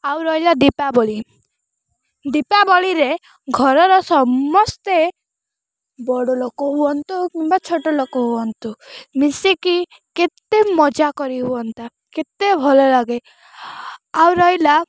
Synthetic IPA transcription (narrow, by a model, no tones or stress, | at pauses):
awɾɔjlad̪ipabɔɭi | d̪ipabɔɭiɾe | ɡʱɔɾɔɾɔsɔmːɔst̪e | bɔɽɔlokɔɦuɔnt̪ukimbat͡ʃʰoʈɔlokɔɦuɔnt̪umisiki | ket̪emɔd͡ʒakɔɾiɦuɔnt̪a | ket̪ebʱɔlɔlaɡe | awɾɔjla